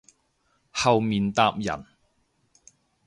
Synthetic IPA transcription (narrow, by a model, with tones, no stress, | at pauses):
hɐ˨wmiː˨nt̪aː˧p̚jɐ̰˨˩n